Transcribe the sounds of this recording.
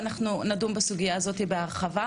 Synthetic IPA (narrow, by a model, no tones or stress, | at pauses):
naχnunadumbasuɡijaːzo̞t̪ibeaʁχava